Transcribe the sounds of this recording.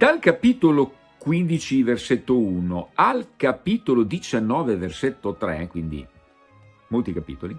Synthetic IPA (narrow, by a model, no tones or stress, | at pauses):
d̪alkapiːt̪olo | kwind̪it͡ʃiverset̪ːounoalkapiːt̪olod̪it͡ʃanːɔːveverset̪ːot̪ɾɛ̰kwind̪ḭ | molt̪ikapḭːt̪oli